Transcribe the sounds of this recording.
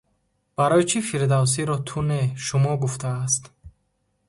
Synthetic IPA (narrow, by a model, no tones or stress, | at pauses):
b̥aɾɔjt͡ʃʰifiɾd̪aws̬iɾɔt̪ʰuneʃumɔɡuft̪ʰaːst̪